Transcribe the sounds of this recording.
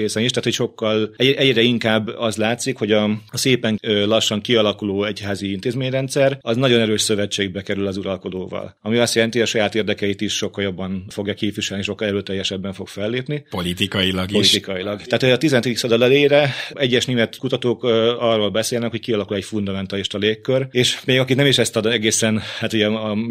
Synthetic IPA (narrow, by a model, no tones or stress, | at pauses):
eːsɛniʃt̪aːt̪ho̞cʃo̞kːɒlɛʔɛɟrɛiŋkaːbːɒzlaːt̪sikho̞ɟɒseːpɛŋlɒʃːɒŋkiɒlɒkuloːɛchaːziint̪eːzmeːɲrɛnt̪sɛrɒznɒɟo̞nɛɾøːʃsøvɛt͡ʃːeːɡ̚bɛkɛɾylɒzuɾɒlko̞d̪oːvɒ̰lɒmiɒst̪jɛlɛnt̪iɒʃɒjaːt̪eːrd̪ɛkɛit̪iʃʃo̞kːɒljo̞bːɒnfo̞ɡjɒkeːfʋiʃɛlniʃo̞kːɒlɛɾøːt̪ɛjːɛʃɛbːɛɱfo̞ɡ̥fɛlːeːpnipolit̪ikɒjilɒɡpoliʃt̪ikɒjilɒɡt̪ɛaːt̪uɟɛɒt̪izɛnt̪id̪iksɒd̪ɒlɛleːɾɛɛɟːɛʃneːmɛt̪kut̪ɒt̪oːkɒrːoːlbɛseːlnɛkho̞c̚kiɒlɒkulɛcfund̪ɒmɛnt̪aːliʃt̪ɒleːkːøreːʃmeːɡɒkit̪nɛmiʃɛst̪ɒd̪ɛɡeːsɛnhaːt̪uɟɛ